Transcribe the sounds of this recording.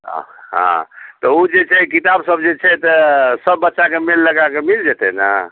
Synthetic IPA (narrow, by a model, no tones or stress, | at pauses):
ɦã̰t̪ɔud͡ʒet͡ʃʰɛkit̪absəbʱd͡ʒet͡ʃʰɛt̪əsəbːətːʃakemelːəɡakemild͡ʒet̪ɛ̰nə̰